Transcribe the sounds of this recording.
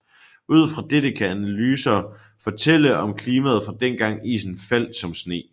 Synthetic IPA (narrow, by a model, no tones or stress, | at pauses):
uð̰ˠfʁɑ̈d̥ed̥əkʰæænælyːsɐ | fɒt͡sʰel̰əʔɒ̽mkʰliːmæð̞̩ˠfʁɑ̈d̥enɡ̥ɑ̈ŋ̰ḭːsn̩fæl̰d̥sɒ̽msne̝̰ː